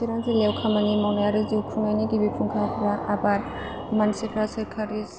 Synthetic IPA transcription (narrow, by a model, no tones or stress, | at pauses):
siɾaŋzilewkʰamanimawnajaɾɯziwkʰɾuŋajniɡibipʰuŋkʰakʰɾaʔabaɾ | mansikʰɾasɯkʰaɾis